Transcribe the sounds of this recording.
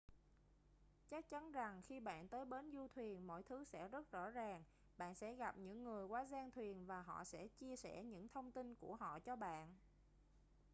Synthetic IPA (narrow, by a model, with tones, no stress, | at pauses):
t͡ɕa˦˥k̚t͡ɕa˨˦nza˨˩ŋxi˧ɓa̰ː˧˨nt̪əː˨˦jɓe˨˦nzu˧t̪ʰwi˨˩ənmo̰˧˥jt̪ʰɨ˨˦sɛ̰˧˥zə˦˥t̚zɔ̰˧˥zaː˨˩ŋ | ɓa̰ː˧˨nsɛ̰˧˥ɣa˨˩p̚ɲɨ̰˧˥ŋːɨ˨˩əjkwaː˨˦zaː˧ŋt̪ʰwi˨˩ənvaː˨˩ɦɔ̰˧˨sɛ̰˧˥t͡ɕi˧əsɛ̰˧˩ɲɨ̰˧˥ŋt̪ʰə˧wŋ͡mt̪i˧nku˧˩əɦɔ̰˧˨t͡ɕɔ˧ɓa̰ː˧˨n